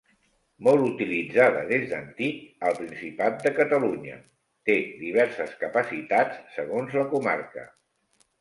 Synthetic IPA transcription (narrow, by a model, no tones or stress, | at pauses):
mɔlˠut̪ilid͡zaðə̰ðezd̪ənt̪ik̚əlˠpɾinsipat̪̚d̪əkət̪əluɲə̰ | t̪ed̪iβ̞ɛɾsəskəpəsit̪at͡sːəɣonzləkuma̰rkə̰